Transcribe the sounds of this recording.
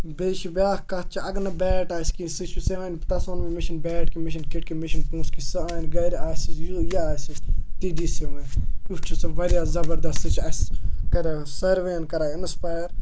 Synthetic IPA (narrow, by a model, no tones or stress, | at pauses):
beːʃibʲjaːkkɐt̪̚t͡ʃʰiɐɡnɐbɛːʈaːskĩsit͡ʃʰuseʋant̪ɐsonmimɪʃɐnbɛːʈ̚kimiʃ̬inkiʈ̚kimiʃinkũːskisɨaːnɡɐjɾaːsijoːjaaːsit̪iːɖiːsiʋɐ̃ːnut͡ʃʰusɐʋɐɾjaːzɐbɐɾd̪ɐst̪ɨt͡ʃʰɐskɐɾasɐɾʋeːnkɐɾaːɪnspaːjɾ